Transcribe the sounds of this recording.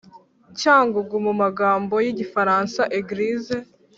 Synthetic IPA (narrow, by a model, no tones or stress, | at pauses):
caːŋɡuɡumumaɡaːmbo̞jiɟifaɾansaʔeɡɾize